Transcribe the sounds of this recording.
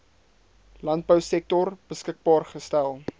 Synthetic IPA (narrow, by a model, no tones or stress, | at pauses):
lɐnt̚bəwsɛk̚tɔrb̥əskək̚bɑːrχəstælˠ